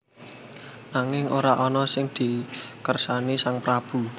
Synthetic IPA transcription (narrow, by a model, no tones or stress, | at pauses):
naŋɪŋʔoɾaʔɔnɔsɪŋd̪̥i̤kərsanisaŋpɾab̥ṳ